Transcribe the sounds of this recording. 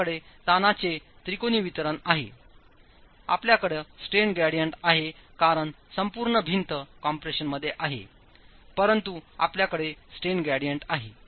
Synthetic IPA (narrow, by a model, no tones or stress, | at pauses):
əɽet̪anat͡se | t̪ɾikoniːʋit̪ɾənaɦḛ | a̰pljakəɽesʈenɡæɽijəɳʈaɦekaɾəɳ | səmpuːɾɳəbʱint̪əkɔ̃mpɾeɕənməd̪ʱːjeʔaɦḛ | pəɾənt̪ua̰pljakəɽesʈenɡæɽijəɳʈaɦḛ